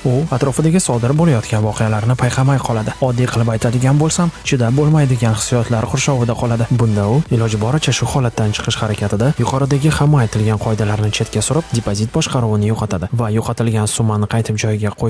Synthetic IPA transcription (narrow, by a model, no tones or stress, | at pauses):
ʊat̪ɾɒfɪd̪aɡʲɪsɒd̪ɪɾbolajɒt̪kʲanvɒqʰejalaɾnɪpʰajqʰɑmajqʰɒlˠad̪ɪɒd̪ːijqʰɨlˠɪpajt̪ʰad̪ɪɡʲanbolˠsamt͡ʃʰɪd̪abolˠmajd̪ɪɡʲanhɪ̥sːjɒt̪ʰlaɾqʰʊɾʃɒwɪd̪aqʰɒlˠad̪ɪbʊnd̪aʊɪlɒd͡ʒɪbɒɾɪt͡ʃʰaʃʊhɒlat̪ːant͡ʃʰɨ̥qʰɨʃhaɾakʲʰat̪ʰɪd̪ajʊqʰɒɾɨd̪aɡʲɪhamːaajt̪ʰɪlɡʲanqʰɒɪd̪alaɾnɪt͡ʃʰe̞t̪kʲasʊɾɪpd̪epʰozit̪̚bɒʃqʰɑɾuwɪnɪjoqʰɑt̪ʰad̪ɪvajoqʰɑt̪ʰɪlɡʲansʊmːanɪqʰɑjt̪ʰɪp̚d͡ʒɒjɪɡʲaqʰoj